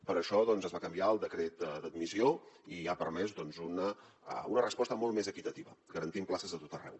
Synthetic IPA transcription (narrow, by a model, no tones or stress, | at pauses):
pəɾəʃɔðɔnzəzβakəmbiaəlˠd̪əkɾet̪̚əd̪əd̪mizioiapəɾmɛzd̪ɔnzunə | unərəspɔst̪əmolˠt̪mezəkit̪ət̪iβəɡəɾənt̪implasəzðət̪ot̪ərɛ̰w